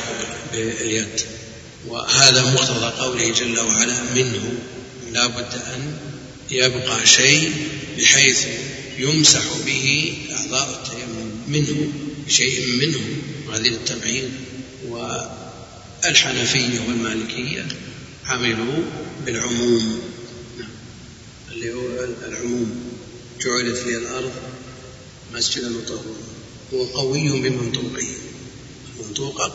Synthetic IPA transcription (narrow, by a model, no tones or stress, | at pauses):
bɪjad̪ | wɪ̰haːðamʊqt̪ɑðˤɑqɑwlɪhd͡ʒalːawaʕalamɪnhʊ | laːbʊd̪ːʔan | jabqɑʃejʔbɪħeːθ | jʊmsaħbɪhiʔɪʕðˤɑːʔɪt̪ʰːajamːʊmmɪnhʊbɪʃejʔmɪnhʊʊmwhaːðiɪt̪ːamʕiːn | wɪ | ɪlħanafɪjːawɪlmaːlɪkʰɪjːa̰ | ʕamɪlubɪlʕʊmuːmnaʕam | ʔɪlːihualʕʊmuːm | d͡ʒʊʕulaflialʔɑɾˤðˤ | lmasd͡ʒɪd̪almʊt̪ˤɑwɪl | wɪqɑwɪjːhʊmbɪmɪnt̪ˤuːqɪh | ɪlmɑnt̪ˤuːqɑ